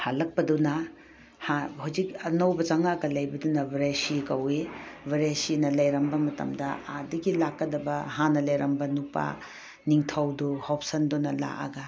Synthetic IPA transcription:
halɐk̚pɐdunɐ | hahawzik̚ɐnɐwbɐt͡ʃɐŋaɡɐlɐjbɐdunɐbɐɾasikɐwebɐɾesinɐlɐjɾɐmbɐmɐtɐ̰mdɐ̰adɐɡilakːɐdɐbɐɦanɐlɐjɾɐmbɐnupa̰ | niŋtʰɐwduhop̚sɐndunɐla̰ʔɐ̰ɡɐ

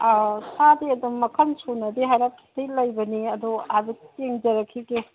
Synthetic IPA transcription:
sadiɐdumːɐkʰɐnsunɐdiɦajɾapʰi̥tijlɐjbɐniɐduabiteŋd͡ʒɐɾɐkʰːiɡe

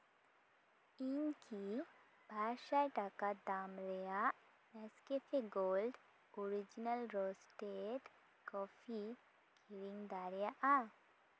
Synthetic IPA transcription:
inki | bʱaɾʃajʈakad̪amlejaʔ | nɛskepʰeɡolɖ | oɾid͡ʒinəlɾosʈeʈ | kɔfi | kiɾiŋɡd̪aɾjaʔa

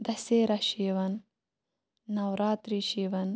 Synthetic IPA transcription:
d̪ɐseːɾɐʃiːʋɐn | ɐwɾaːt̪ɾiʃiːʋɐn

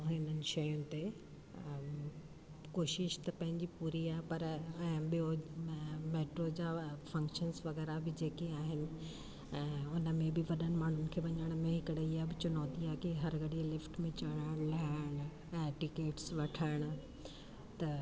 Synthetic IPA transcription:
ɦɪnənɪ̆ʃɐjʊ̃nɪ̆t̪e | koːʃɪʃt̪ɐpɐ̃ɦɪ̃ɲd͡ʑipuːɾiaːɦepɐɾɛ̃ːɓɪjo | meːʈɾod͡ʑaːfɐ̃ŋkʃənsʋɐɣɛːɾabɪd͡ʑeːkiaːɦɪnɪ̆ | ɛ̃ːʊnə̆mẽbɪʋɐɗənɪ̆maːɳ̤ʊnɪ̆kʰeːʋɐɲəɽ̃mẽɦɪkəɽeiɦaːbɪt͡ɕʊnɔːt̪iaːkiɦɐɾɡɐɽiəlɪfʈmẽt͡ɕɐɽ̃aːɪɽ̃laɽ̃ | ɛ̃ːʈɪkeːʈsʋɐʈʰaːɪɽ̃̆ | t̪ɐ

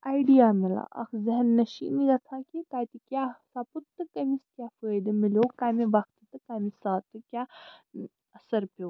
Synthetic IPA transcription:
aːjɖijaːmila̰ːʔɐ̰xzɐɦnːɐʃḭːniɡɐt͡s̪ʰãːkikaːt̪ikʲjaːsaput̪ːɨkɐmiskʲjaːfəːjd̪ɨmilʲjoːkaːmiʋɐxt̪ɨt̪ɨkaːmisaːt̪ɨkʲja | ɐsɐɾpew

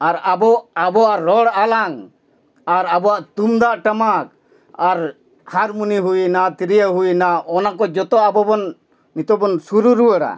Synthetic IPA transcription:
aɾabɔabɔaɾɔɽalaŋ | aɾabɔaʔt̪umd̪aʔʈamak̚ | aɾ | haɾmuniɦuinat̪iɾijaɦujnaɔnakɔd͡ʒɔt̪ɔabɔbɔn | mit̪ɔbɔnsuɾuɾuwəɽa̰

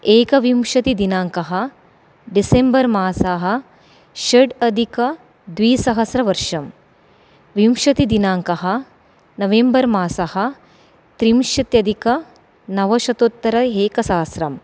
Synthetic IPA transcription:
eːkɐʋimʃɐt̪id̪inaːŋkɐɦɐ | ɖisembɐɾmaːsaːɦɐ̆ | ʃɐɖɐd̪ʱikɐ | d̪ʋiːsɐɦɐsɾɐʋɐɾʂɐm | ʋimʃɐt̪id̪inaːŋkɐɦɐ | nɐʋembɐɾmaːsɐhɐ | t̪ɾimʃɐt̪jɐd̪ʱikɐ | nɐʋɐʃɐt̪ot̪ːɐɾɐeːkɐsɐɦɐsɾɐm

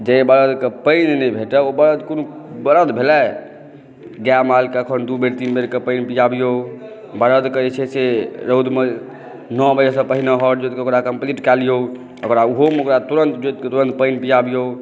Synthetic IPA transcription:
d͡ʒebəɾəd̪kepəjnnebʱeʈəobəɾəd̪konubəɾəd̪bʱelɛ | ɡjamalkeəkʰənd̪ubeɾt̪inbeɾkepəɪnpijabijo | bəɾəd̪kəɛt͡ʃʰɛseɾəwd̪me | nɔbəd͡ʒesə̃pəɦineɦɔʈd͡ʒot̪keokɾakəmpliʈkɛlijo | okɾauɦomokɾat̪uɾənt̪d͡ʒot̪̚ket̪uɾə̃nt̪̚pəjnpijabijo

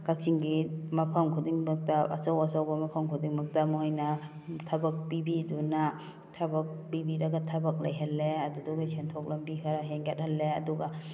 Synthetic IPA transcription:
kak̚siŋɡimapʰamkʰudiŋbak̚taʔa̰sawasawbɐmapʰamkʰudiŋmak̚tamuɦajna | tʰabak̚pibiduna | tʰabak̚bibidaɡatʰabak̚lajɦalːeaduduɡisentʰɔk̚lambikʰaɾaɦeŋɡet̚halːeaduɡa

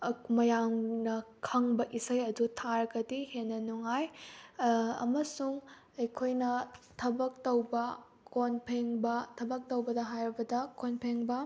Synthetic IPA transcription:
mɐjaŋnɐkʰɐŋbɐʔisɐjɐdutʰaɾɐɡɐdihenːɐnuŋaj | ɐ̰mɐsuŋ | ɐjkʰojnɐtʰɐbɐk̚tɐwbɐ | konpʰeŋbɐtʰɐbɐk̚tɐwbɐdɐɦajɾɐbɐdɐkonpʰeŋbɐ

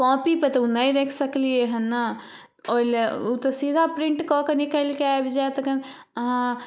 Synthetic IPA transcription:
kɔ̃ːpipɐt̪ɐunɐĩɾekʰsɐklieɦɐnːɐ | oːlut̪osiːd̪ʱapɾɪ̃ɳʈkɔ̃ːkɐnikəlkeabʱid͡ʒat̪ɐkɐnɦã

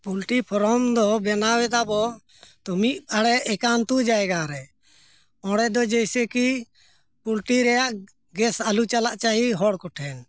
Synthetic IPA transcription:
pulʈipʰɔɾɔmd̪ɔbɛnawɛd̪abɔ | t̪umiʔaɽɛɛkant̪ud͡ʒaɛɡaɾɛ | ɔɽɛd̪ɔd͡ʒɛjsɛki | pulʈiɾɛjaʔ | ɡɛsalut͡ʃalaʔt͡ʃaɦiɦɔɽkɔʈʰɛn

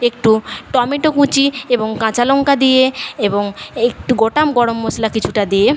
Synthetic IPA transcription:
ek̚ʈuʈɔmiʈokũt͡ɕieboŋkãt͡ɕaloŋkad̪ijeeboŋek̚ʈuɡoʈamɡɔɽomːoslakit͡ɕʰuʈad̪ije

